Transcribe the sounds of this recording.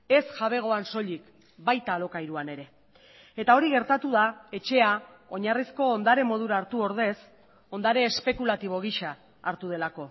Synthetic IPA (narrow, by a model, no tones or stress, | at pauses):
e̞sʝaβ̞e̞ɣ̞o̞anso̞ʎik | bajt̪aːlo̞kajɾuane̞ɾe̞ | et̪ao̞ɾiɣe̞ɾt̪at̪uð̞ae̞t͡ʃe̞a | o̞ɲarisko̞ːnd̪aɾe̞mo̞ð̞uɾaːɾt̪uo̞ɾð̞e̞s | o̞nd̪aɾe̞ːspe̞kulat̪iβ̞o̞ɣ̞iʃaː | ɾt̪uð̞e̞lako̞